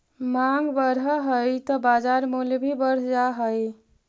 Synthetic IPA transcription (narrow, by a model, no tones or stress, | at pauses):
maŋɡbəɾəɦəjt̪ɔbad͡ʒaɾmulbʱibəɾ̤d͡ʒaɦəj